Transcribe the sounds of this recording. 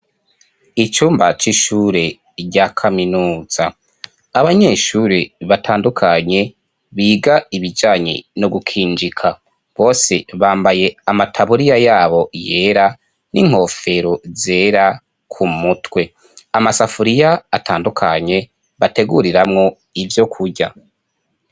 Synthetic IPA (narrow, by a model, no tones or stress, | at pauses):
it͡ʃuːmbat͡ʃiʃuɾe̞ | ɟakʰaminuːz̥aː | βaɲe̞ʃuɾeβatʰaːndukʰaɲe̞ | βiːɡaiβid͡ʒaːɲḭnoɡukʰiːnd͡ʒikʰa | βo̞ːse̞βaːmbaje̞amatʰaβuɾijajaːβo̞je̞ːɾa | nʔiŋ̥ho̞ːfe̞ɾoze̞ːɾa | kʰumutwe̞ | amasafuɾijaːtʰaːndukʰaɲe̞ | βate̞ɡuɾiɾamŋo̞ | ivjo̞kʰuɾɟa̰